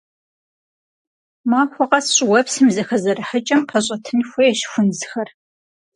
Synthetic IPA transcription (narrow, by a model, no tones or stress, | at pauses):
maːxʷɔqɐsɕʼwɐpsɨmzɐxɐzɐɾɨħət͡ʃʼɐmpʰɐɕʼɐtʰɨnxʷɔjɛɕxʷʊnzɨxɐr